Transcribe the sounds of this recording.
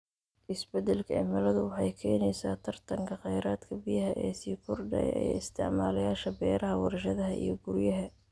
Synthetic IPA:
ʔɪsbɛd̪ɛlkʰɐɛːmɐlɐðʊwɑħɑjkʰɛːnɛjsaːt̪ʰɐrt̪ʰɐŋkʰɐχɛjɾaːd̪kʰɐbijɐɦɐʔɛːsiːkʰʊrɖɛ̰jɛ̰j̰ɪst̪ʰɪʕmaːlɐjaːʃɐbɛːɾɐɦɐwɑrʃɐðɐɦɐʔḭjɞɡʊɾjɐɦɐ

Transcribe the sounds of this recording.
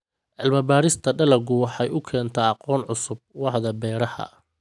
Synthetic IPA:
ʕɪlmɐbaːɾɪst̪ʰɐɖɐlɐɡʊwɑħɑjʊkʰɛːnt̪ʰɐɑqɔːnʕʊsʊb̚wɑħðɐbɛːɾɐhɐ̰

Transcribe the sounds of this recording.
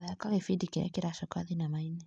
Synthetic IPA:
aakaɣifidikiɾɛ̰kiɾaʃɔkaðinamainɛ

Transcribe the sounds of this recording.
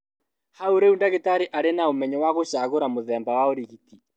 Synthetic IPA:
hauɾeundaɣetaɾeʔaɾenaomɛɲɔwaɣoʃaɣoɾamoðɛmbawaoɾiɣiti

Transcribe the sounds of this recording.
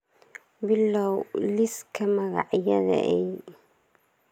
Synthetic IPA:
bɪlːɐwlɪskʰɐmɐɣɑʕjɐðɐ̰ʔɛj

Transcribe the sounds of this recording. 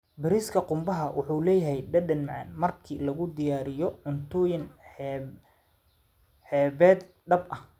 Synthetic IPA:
bɪɾiːskʰɐqʊmbɐɦɐwʔʊ̰ħuːlɛːjɐɦɛjɖɐɖɐnmɑʕɑ̰nmɐrkʰiːlɐɣʊd̪ɪjaːɾɪjɔʕʊnt̪ʰɔːjɪn | ħɛːβɛːd̪ | ɖɐbʔɐh

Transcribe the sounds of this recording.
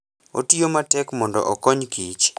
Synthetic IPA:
otijomatɛkmɔndɔ̰ʔɔkɔɲkit͡ʃ

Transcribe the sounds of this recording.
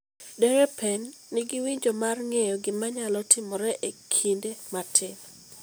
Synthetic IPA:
dɛɾɛpɛnː | ɪɡɪwiɲd͡ʒɔmarŋejɔɡɪmaɲalɔtʰɪmɔɾɛʔekʰindematʰɪm

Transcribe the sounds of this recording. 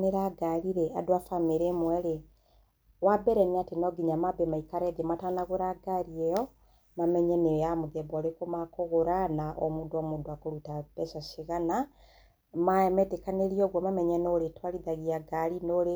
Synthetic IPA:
neɾaɡaɾiɾɛa̰doafameɾemwɛɾe | wabɛɾɛniatenɔɡiɲamabɛmaikaɾɛðematanaɣoɾaɡaɾiɛjɔ | mamɛɲɛneamoðɛbaɾekomakoɣoɾanaʔɔmodoɔmoːdoakoɾutapɛsaʃiɣana | maɛmɛtekaneɾiɔɣwɔmamɛɲɛnoɾetwaɾiðaɣiaɡaɾinoɾe

